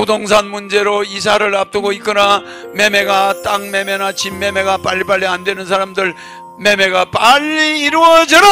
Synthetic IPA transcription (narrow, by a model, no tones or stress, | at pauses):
udoŋs̬ʰanmund͡ʑe̞ɾois̬ʰaɾɯɭap̚t͈ɯɡoik͈ɯna | me̞me̞ɡat͈aŋme̞me̞nat͡ɕimːe̞me̞ɡapaʎːipaɭːiandwe̞nɯnsʰaɾamdɯɭ | me̞me̞ɡapaʎːiːɾuʌd͡ʑʌɾo